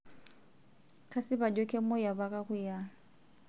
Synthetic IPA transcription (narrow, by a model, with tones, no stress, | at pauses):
kʰa˦sɪ˦ba˨dɔ˦kʰʼe˦mʊ˦ja˨ba˦kʼa˦ɣʊ˦ja˦